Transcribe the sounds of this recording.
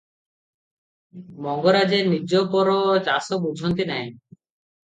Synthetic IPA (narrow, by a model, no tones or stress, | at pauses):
mɔŋɡoɾad͡ʒeɾnid͡ʒopɔɾɔt͡ʃasob̚bud͡ʒʱɔnt̪inɛj̃